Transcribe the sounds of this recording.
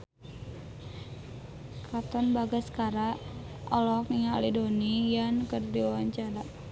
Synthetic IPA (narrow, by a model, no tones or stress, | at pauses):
kʰat̪ɔnbaɡaskaɾa | ʔɔlɔkniŋalidonijankərdiuwaɲt͡ʃaɾa